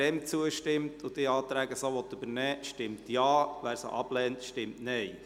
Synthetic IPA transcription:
ɛmt͡suəʃtɪmtʰʊd̥̪iɑːt̪ɾæːɡəsoʋɔt̪ːybəɾnɛːʃtɪmtjɑːʋæːɾsə̰ʔɑb̥lɛːntʃtɪmtnɛɪ

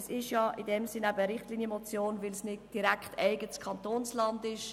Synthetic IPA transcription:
sɪʃjɑːʔɪdɛmsɪnæbəəɾɪχtliːnjəmot͡sjoːnvɪlsnɪdd̥iɾækχtɛɪɡətskʰɑntoːnslɑndɪʃ

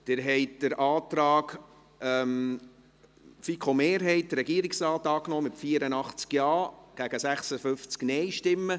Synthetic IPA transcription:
d̪̥ɪɾɦɛɪt̚d̥əɾʔɑːt̪ɾɑːɡ | ɛm | fikʰomeːɾɦɛɪtdərɾɛɡ̥iəɾɪksɾɑːtɑːknɔːmɪtfiəɾənɑχt͡skjɑːɡ̥æɡ̥əsæχsəfʏft͡sknɛjʃtɪmːə

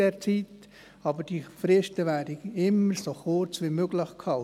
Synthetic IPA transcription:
ɛːɾt͡siːt | ɑbəd̥ifɾɪʃtəʋæːdəɪmːəɾsoχʊɾt͡sʋimøɡləχkhɑl

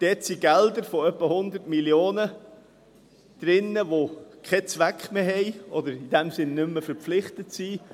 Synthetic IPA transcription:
d̪̥ɛtsiɡɛld̪əɾfɔœpːəhʊnd̪əɾtmiljoːnə | d̪̥ɾɪnːəʋokʰɛt͡sʋækχmeːɦɛɪɔd̪əɾidɛmsɪnːʏmːəfəɾpflɪχt̪ətsiː

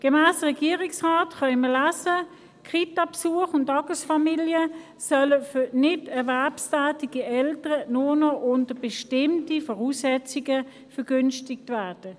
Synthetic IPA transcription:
ɡ̥ɛmæːsʁɛɡiːʁɪksʁaːtχɑɪməlæːsə | kʁitɑpsuəχʊntɑɡəsfɑmiljə | sœləfʏnɪdɛɐvɛɐpstæːtiɡ̥iʔɛltəʁənʊnɔʔʊntəb̥ɛʃtɪmtifɔʁuːsɛt͡siɡə | fəɡ̥ʏnstɪk̚tvæːɐd̥ə

